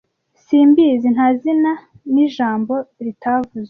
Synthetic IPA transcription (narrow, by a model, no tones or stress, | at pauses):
siːmbizin̥hazina | niʒaːmbo̞ɾitʰavuze